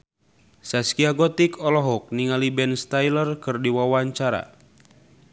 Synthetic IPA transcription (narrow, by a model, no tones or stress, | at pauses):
saskiaɡɔt̪ikɔlɔɦɔk̚niŋalibɛnst̪ajlərkɨrdiwawaɲt͡ʃaɾa̰